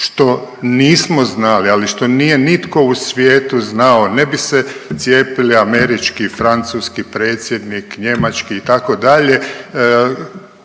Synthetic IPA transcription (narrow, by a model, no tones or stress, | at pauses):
ʃt̪o̞niːsmoznalialiʃt̪o̞niːje̞nit̪ko̞usʋjeːt̪uznaonebiset̪sje̞ːpiliame̞ɾit͡ʃkifɾant̪suːskipɾe̞ːt̪sje̞d̪nikɲe̞mat͡ʃkiːt̪ako̞d̪aʎe̞